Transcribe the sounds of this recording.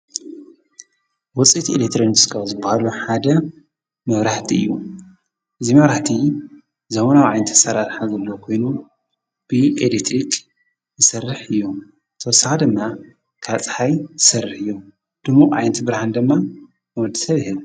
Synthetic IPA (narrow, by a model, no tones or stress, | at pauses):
wɔt͡sʼit̪ʰelekt̪ɾoniskʰawzɨbːahaluħad̪ɐ | mɐβɾaħt̪ʰiɨ̰jːu | ʔɨzimɐβɾaħt̪ʰi | zɐβonawʕajnt̪ʰːɐ̥sɐɾaɾħazɐlːokʰo̞jnu | b̥ɨʔḛlit̪ʰɾikʰʼ | jɨsɐrːɨħɨjːo | t̪ʰɐsaʕad̪ɨmːa | kʰat͡sʼħajzɨsɐrːɨħɨjːo | d̪̥ɨmuʔʼʕa̰jnt̪ʰbɨɾaħand̪ɨmːa | nwɔd̪ɐ̥sɐβhɨβ